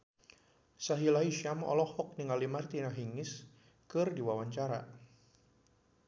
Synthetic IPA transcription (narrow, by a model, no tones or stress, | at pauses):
saɦilaiʃamɔ̰lɔhɔk̚niŋalimart̪inaɦiŋɪs | kɨrdiwawaɲt͡ʃaɾa̰